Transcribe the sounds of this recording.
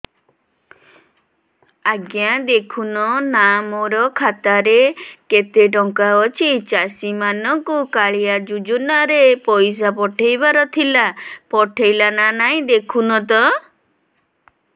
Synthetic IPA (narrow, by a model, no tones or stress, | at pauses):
aɡjad̪ekʰunɔnamɔɾɔkʰat̪aɾeket̪eʈɔŋkaɔt͡ʃʰit͡ʃasimanɔŋkukaɭijad͡ʒud͡ʒunaɾepɔjs̬apɔʈʰejbaɾɔt̪ʰilapɔʈʰejlananaĩd̪ekʰunɔt̪̬ɔ